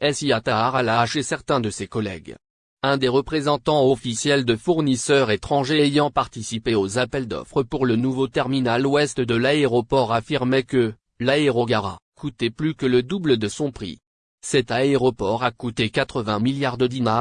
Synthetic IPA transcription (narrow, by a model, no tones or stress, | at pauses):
ɛlsiat̪aʁalaʃesɛʁt̪ɛ̃d̪əsekɔlɛ̰ɡ | ɛ̃d̪eʁəpχezɑ̃t̪ɑ̃ɔfisjɛld̪əfuʁnisœʁet̪χɑ̃ʒeːjɑ̃paʁt̪isipeozapɛld̪ɔ̰fχəpuʁlənuvot̪ɛʁminalwɛst̪d̪əlaeʁɔpɔʁafiʁmɛkə | laeʁɔɡaʁa̰kut̪ɛplykələd̪ubləd̪əsɔ̃pχḭ | sɛt̪aeʁɔpɔʁakut̪ekat̪χəvɛ̃miljaʁd̪əd̪inaʁ